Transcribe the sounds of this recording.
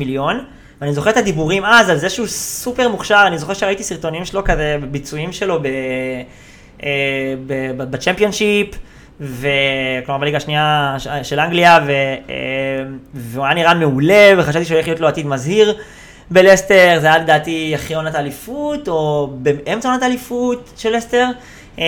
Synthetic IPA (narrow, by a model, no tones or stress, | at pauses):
miljo̞n | veanizo̞χeet̪ad̪ibuʁimazalzeʃeusupe̞ʁmuχʃaʁanizo̞χe̞ʁʃeait̪isiʁto̞nimʃelo̞kazebebit͡suimʃe̞lo̞be | ebebbat͡ʃempio̞nʃip | veklomaʁbaliɡaʃniaʃelaŋɡliavḛ | mveoaniʁanmeule̞veχaʃavt̪iʃeoleχlijot̪loat̪id̪mazhiʁ | belest̪eʁzeajaled̪aːtiaχionat̪alifut̪o̞bemʔemt͡saonat̪alifutʃelːest̪e̞ʁ